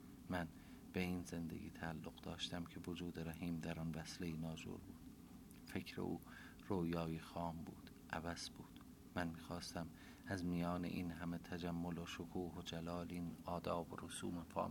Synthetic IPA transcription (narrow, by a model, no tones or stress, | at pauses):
mæn | b̥eiːnze̞nd̪ḛɡʲḭːt̪ʰæːlːoɣ̥d̪ɒːʃt̪æmcʰe̞vod͡ʒuːd̪eɾæɦiːmd̪æɾɒnvæslejinɒːd͡ʒṵːɾbuːd̪̥ | fe̞cʰɾḛʔuː | roːjɒːjixɒːmbṵːd̪̥ | ʔævæz̥buːd̪̥ | mænmiːxɒːst̪æm | æzmijɒːnḛʔiːnɦæme̞t̪ʰæd͡ʒæmːoloʃokʰuːɦod͡ʒælɒːliːnɒːd̪ɒːboɾosuːmefɒ̰ː